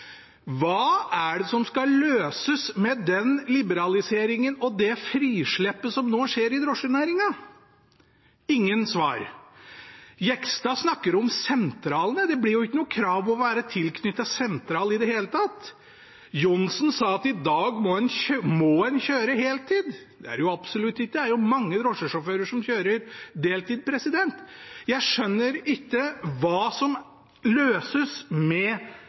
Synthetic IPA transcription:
ʋɑːæɖɛsɔmskɑløːsəsmɛd̪ɛnlɪbəɾɑlɪseːɾɪŋənɔd̪ɛfɾiːʂɭɛpːəsɔmnoːʂeːɾɪd̪ɾɔʂənæːɾɪŋɑ | ɪŋːənsʋɑ̰ːɾ | jɛkst̪ɑsnɑkːəɾɔmsɛnt̪ʰɾɑːlənəd̪ɛblɪɾjʊɪkːənuːəkʰɾɑːʋɔʋæːɾət̪ʰɪlkʰnʏt̪ːɑsɛnt̪ɾɑːlɪd̪ɛheːlət̪ʰɑt̪ | jʊnsnsɑːɑt̪ɪd̪ɑːɡmɔhɛnmɔhɛnçøːɾəheːlt̪ʰiːd̪ | d̪ɛæ̰ɾjʊɑbsɔlʉt̪ːɪkːəd̪æɾjʊmɑŋːəd̪ɾɔʂəʂɔføːɾəʂɔmçøːɾəɾd̪eːlt̪ʰiːd̪̚pʰɾɛsɪd̪ɛnt̪jæɪʂœnːəɾɪkːəʋɑːsɔm | løːsəsmɛ

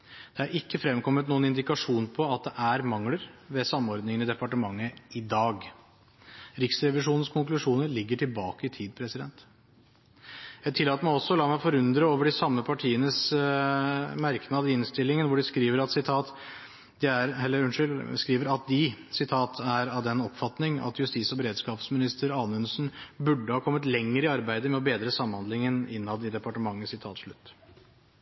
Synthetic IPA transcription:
d̪̥ɛæɾɪkːəfɾɛmkʰɔmːət̪nuːənɪnd̪ɪkɑʂuːnpʰɔɑt̪̚d̪ɛʔæɾmɑŋləɾʋɛsɑmɔɾd̪nɪŋənəd̪ɛpɑʈəmɑŋːəɪd̪ɑːɡ | ɾɪksɾɛʋɪʂuːnən̩skʰʊŋklʉʂuːnəɾɭɪɡːəʈʰɪlbɑːkəɪt̪ʰiːd̪̚pʰɾɛsɪd̪ɛnt̪ | jæɪt̪ʰɪlːɑːt̪əmæɔsːɔɔlɑːmæfɔɾʉnd̪ɾəoːʋəɖɪsɑmːəpʰɑʈʰiːənəs | mæɾknɑːd̪ɪɪnst̪ɪlːɪŋənʋʊɖɪskɾiːʋəɾɑt̪sɪt̪ʰɑːt̪ | d̪ɛæɾhɛlːəɾʉnʂʏlskɾiːʋəɾɑt̪̚d̪ɪsɪt̪ʰɑːt̪ʰæɾɑʋd̪ɛnɔpfɑt̪nɪŋʔɑ̰t̪jʉst̪iːsɔbəɾeːd̪skɑːpsmɪnɪst̪əɾɑːnəʉnsn̩bʉɖːəhɑːkʰɔmːət̪lɛŋːəɾɪɑɾbæɪd̪əmɛɔbeːd̪ɾəsɑməhɑnd̪lɪŋənɪ̰nːɑd̪ɪd̪ɛpɑʈəmɑŋːəsɪt̪ʰɑ̰ːt̪ʂɭʉt̪ː

